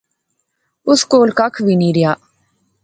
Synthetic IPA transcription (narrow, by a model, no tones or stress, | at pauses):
ʊskoːlkakʰʋiːniːɾɪjaː